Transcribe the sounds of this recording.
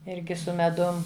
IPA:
ˈɪrʲɡʲɪ sʊ mʲɛˈdʊm

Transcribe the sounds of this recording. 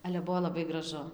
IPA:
ˈɑːlʲɛ ˈbʊʋoː lˠɐˈbɐɪ ɡrɐˈʒʊ

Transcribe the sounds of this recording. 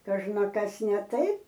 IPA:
kɐʒnɐˈkɐs nʲɛ ˈtɐɪp

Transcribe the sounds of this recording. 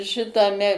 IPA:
ʃʲɪtɐˈmʲɛ

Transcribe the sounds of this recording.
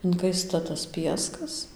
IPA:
ɪŋˈkɐɪstɐ tɐs ˈpʲiɛskɐs

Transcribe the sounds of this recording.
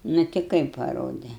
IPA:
nʊ tʲɪ ˈkɐɪp pɐˈroːdʲɛ

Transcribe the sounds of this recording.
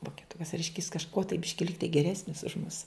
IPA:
ʋoːkʲɛˈtʊkɐs ˈrʲɛɪʃʲkʲɛ jɪs kɐʃˈkuɔ tɐɪ ˈbʲɪʃʲkʲɪ ˈlʲɪktɐɪ ɡʲɛˈrʲæːsʲnʲɪs ʊʃ mʊs

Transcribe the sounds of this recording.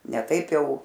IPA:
nʲɛ ˈtɐɪp ˈjɛʊ

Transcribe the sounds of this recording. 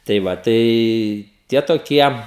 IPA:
tɐɪ ˈʋɐ ˈtɐɪ ˈtʲiɛ toːˈkʲiɛ

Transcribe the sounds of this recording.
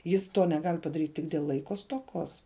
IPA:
ˈjɪs ˈtoː nʲɛˈɡɐlʲ pɐdɐˈrʲiːtʲ ˈtʲɪk dʲeːlˠ ˈlˠɐɪkoː stoːˈkoːs

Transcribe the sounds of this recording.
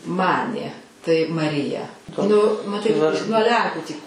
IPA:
ˈmɑːnʲeː tɐɪ mɐˈrʲɪjɛ nʊ mɐˈtɐɪ nuɔ ˈlʲɛŋkuː tʲiː

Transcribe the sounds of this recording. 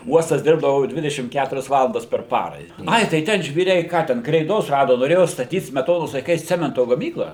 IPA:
ˈuɔstɐs ˈdʲɪrbdɐʋʊ ˈdʲʋʲɪdʲɛʃʲɪm ˈkʲætʊrʲɛs ˈʋɑːlˠɐndɐs pʲɛr ˈpɑːrɐ ɪ ˈɐɪ tɐɪ ˈtʲɛn ʒʲʋʲiːˈrʲɛɪ ˈkɑː tʲɛn krʲɛɪˈdoːs ˈrɑːdoː noːˈrʲeːjoː stɐˈtʲiːt sʲmʲɛˈtoːnoːs lˠɐɪˈkɐɪs ˈt͡sʲæːmʲɛntoː ɡɐˈmʲiːklˠɑː

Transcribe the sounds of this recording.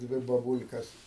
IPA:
ˈdʲʋʲɪ bɐbʊlʲkɐs

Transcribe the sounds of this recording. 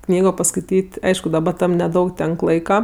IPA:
ˈknʲiːɡoː pɐskɐɪˈtʲiːtʲ ˈɐɪʃkʊ dɐˈbɐ ˈtɐm nʲɛˈdɐʊk ˈtʲɛŋk ˈlˠɐɪkɐ

